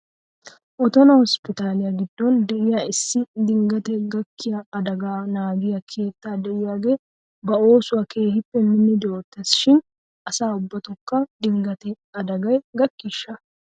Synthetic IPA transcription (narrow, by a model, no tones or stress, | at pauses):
ʔɔt̪ɔnɐhɔspɪt̪aːlɪjɐɡɪd̪ːɔnd̪ɛɪjaɪsːɪd̪ɪŋɡɐt̪ɛɡɐkːɪjɐɐd̪ɐɡaːnaːɡɪjɐkʰe̞ːt̪ːaːd̪ɛʔɪjaːɡe̞ː | bɐo̞ːsʊwɐkʰe̞ːhɪpːɛmɪnːɪd̪ɛoːt̪ːɛsʃɪn | ʔɐsaːʊbːɐt̪ɔkːɐd̪ɪŋɡɐt̪ɛ | ɐd̪ɐɡɐjɡɐkːɪʃːɐ